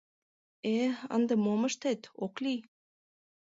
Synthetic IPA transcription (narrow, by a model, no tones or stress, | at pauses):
eə̰nd̪ɤ̆momə̆ʃt̪et̪oklʲi